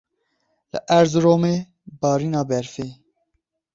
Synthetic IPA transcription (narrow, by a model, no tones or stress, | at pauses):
lɨ̰ʔæɾzɾoːmeː | bɑːɾiːnɑːbɛɾfeː